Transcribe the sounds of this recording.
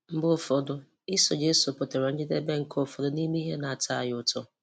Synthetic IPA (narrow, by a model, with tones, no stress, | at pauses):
m̩˦bʊ˦fɔ˨dʊ˦ | i˦so˨d͡ʒe˦so˨po˨te˨ɾa˨n̩˦d͡ʒɪ˦de˦be˦ŋ̩˨kʰo˦fɔ˨dʊ˦ni˦me˦i˦ɦe˦na˨a˨tʰa˦a˨jʊ˨tɔ˦